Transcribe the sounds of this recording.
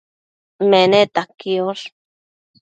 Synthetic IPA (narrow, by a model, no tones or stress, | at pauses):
menet̪akioɬ